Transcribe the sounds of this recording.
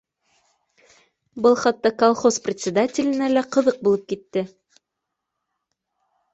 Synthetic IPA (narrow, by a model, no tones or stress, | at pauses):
bɤlˠχɑt̪ːɑkolˠχo̞sprʲɪt̪ʲsʲɪd̪atʲɪlʲɘ̆nælæqɤ̆ðɤq̚bulˠɤp̚kit̪ːɘ